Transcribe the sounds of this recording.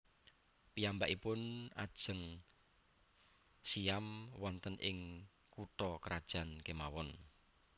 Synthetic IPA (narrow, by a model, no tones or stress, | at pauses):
pijambaʔipʊna̰d̥ʒ̥ə̤ŋ | siamwɔnt̪ənʔɪ̰ŋ | kut̪ɔkəɾad̥ʒ̥a̤nkemawɔn